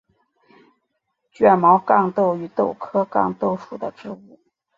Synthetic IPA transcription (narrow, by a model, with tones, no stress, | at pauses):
t͡ɕɥɛ˥˩nmɑ˧˥ʊkɑ˥˧ŋt̪o˥˩ʊy˧˥t̪o˥˩ʊkʰɤ˥kɑ̰˥˧ŋt̪o˥˧ʊʂu˥˩d̪ə˦ʈ͡ʂɻ̩˥˧u˥˩